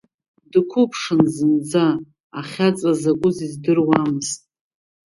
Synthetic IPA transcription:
dkʷʰʊpʰʂɨnzɨnd͡zaː | χʲat͡sʼazakʷʼʊzizdɨrwamɨztʼ

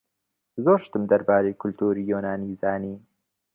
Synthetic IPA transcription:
zoʃt̪əmd̪ɐɾbɑːɾekʊlt̪uːɾijoːnaːnizɑːniː

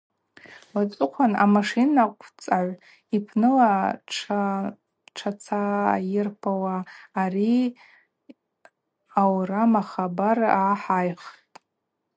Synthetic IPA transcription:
wat͡sʷʼʊqʷʰana̰maʂinaqʷʼʰt͡sʼaʕʷ | ipʰnɨlaʈ͡ʂʰ | ʈ͡ʂʰat͡sʰa̰ːjɪrpʰawaːri | awramaχabaraħajχtʼ

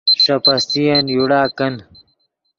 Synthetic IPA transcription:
ʂɐpɐst̪ijɐnjuɽaːkɐn

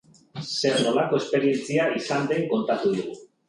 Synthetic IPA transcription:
se̞ɾno̞lako̞espe̞ɾie̞nt͡siaisand̪e̞ŋko̞nt̪at̪uðuɣu

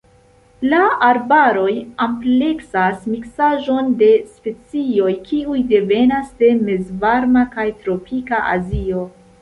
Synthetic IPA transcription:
laaɾbaɾo̞jample̞ksasmiksaʒo̞nde̞spe̞t͡sio̞jkʰiujde̞ve̞nasde̞me̞zvaɾmakajtɾo̞pʰikaʔa̰zio̞

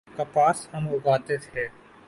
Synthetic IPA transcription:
kapaːshɐmʊɡaːt̪et̪ʰeː

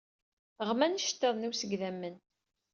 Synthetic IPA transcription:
ʁmænʃə̥t̪ːeðˤnusəɡðæmːən

